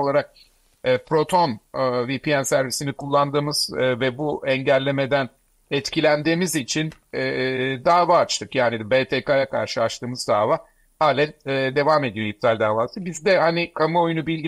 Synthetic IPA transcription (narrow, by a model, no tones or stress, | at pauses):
olˠaɾak̚ː | pɾo̞t̪ʰo̞nːvipijænsæɾvisinikʰulˠːand̪ɯːmɯz̥vɛbuɛɲɟælʲːe̞me̞d̪æn | ɛt̪cilʲænd̪iːmizit͡ʃʰinɛd̪aːvaːt͡ʃt̪ʰɯkjaːnibet̪ʰekajakʰa̰ɾʃɯat͡ʃt̪ʰɯːmɯzd̪aːvaː | haːlʲɛnɛːd̪e̞vaːme̞d̪ijoip̚t̪ʰalʲd̪aːvaːt̪ɯk̚bizd̪ɛhanikʰamɯo̞junubilʲɡi